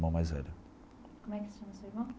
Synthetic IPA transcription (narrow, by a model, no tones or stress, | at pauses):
mɐ̃w̃majzɛɾɐ | kom̃ɛksɨ̥ʃɐmɐsoimɐ̃